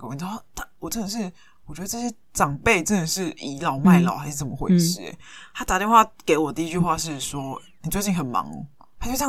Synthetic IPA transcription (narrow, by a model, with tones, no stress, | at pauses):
t̪a˥˩wɔ˨˩ʈ͡ʂə˥˩nd̪ə˨˩ʂɻ̩˥˩ | wɔ˨t͡ɕɥɛ˧˥ə˧ʈ͡ʂɕ̬jɛ˥ | ʈ͡ʂɑ˨˩ŋpe˥˨ɪʈ͡ʂə˥nd̪ə˨˩ʂɻ̩˥˩i˧˥lɑ˧˦ʊma˥˩ɪlxa˧˥ɪʂɻ̩˥˩t͡sə˨˩mə˦xwḛ˥˩ʂɻ̩˥˩ḛ˩˦t̪ʰa˥t̪a˨t̪jnxwa˥˧˩ke˧˥ɪwɔ˨˩d̪ə˧i˥t͡ɕy˥˧xwa˥˧ʂɻ̩˥˩swɔ˥ | ni˨˩t͡swe˥˧t͡ɕi˥˩ŋxə˨˩nmɑ̰˧˥ŋ˦ | t̪ʰa˥t͡ɕjo˥˧ʊɕjɑ˥˨